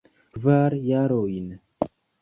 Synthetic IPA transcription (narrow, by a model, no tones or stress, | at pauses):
vaːɾjaɾoinə